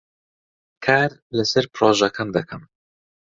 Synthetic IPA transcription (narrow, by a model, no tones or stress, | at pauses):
kʰaːɾlɐsɐɾpɾoːʒɐkʰɐmd̪ɐkʰɐm